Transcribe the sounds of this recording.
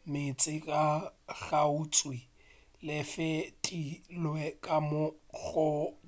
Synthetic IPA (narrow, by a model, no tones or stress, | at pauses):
mɪt͡sʼɪkʼaɣaʊt͡sʼwi | lɪfɪtʼilwɛkʼamʊɣʊ